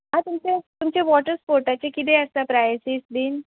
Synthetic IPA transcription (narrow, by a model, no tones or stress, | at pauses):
ɦãt̪umt͡ɕet̪umt͡ɕeʋɔʈəɾspoɾʈat͡ɕekid̪eəsapɾajsisd̪in